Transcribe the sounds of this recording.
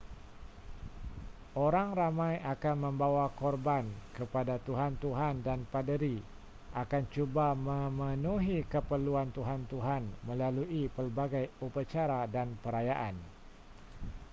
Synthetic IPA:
ʔoɾaŋramajakanməmbawakɔrbankəpadat̪uɦant̪uɦandanpadəɾi | ʔakant͡ʃubaməmənuɦikəpəluant̪uɦant̪uɦanməlaluʔipərbaɡajupat͡ʃaɾadanpəɾajaʔan

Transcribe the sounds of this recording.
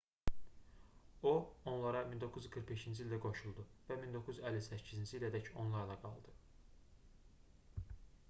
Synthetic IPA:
oo̞nlˠɑɾɑmind̪o̞kʰuzɡɯɾχbe̞ʃind͡ʒilʲd̪æɡo̞ʃulˠd̪uvæmind̪o̞kʰːuzyzælːisæcʰːizind͡ʒiːlæd̪æco̞nlˠɑɾlɑɡɑ̰lˠd̪ɯ

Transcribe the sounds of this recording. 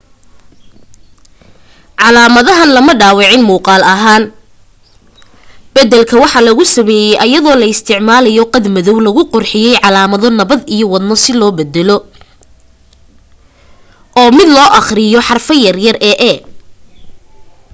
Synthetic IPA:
ʕɑlaːmɐðɐɦɐnlɐmɐɖaːwɪʕɪnmuːqɑːlɐɦaːn | b̥ɐd̪ɛlkʰɐwɑħɑlɐɣʊsɐmɛːjɛjʔɐjɐðɔːlɐɪst̪ʰɪʕmaːlɐjɔqɑd̪mɐðɔwlɐɣʊqɔrħɪjɛjʕɑlaːmɐðɔnɐβɐd̪ijɔwɑd̪nɔsɪlɔːbɛd̪ɛlɔ | ʔɔːmɪd̪lɔːʔɑχrɪjɔħɑrfɐjɐrjɐrɛʔɛ

